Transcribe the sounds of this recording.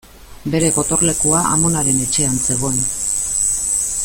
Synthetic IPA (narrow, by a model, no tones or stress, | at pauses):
be̞ɾe̞ɣo̞t̪o̞ɾle̞kuaa̰mo̞naɾe̞ne̞t͡ʃe̞anse̞ɣ̞o̞en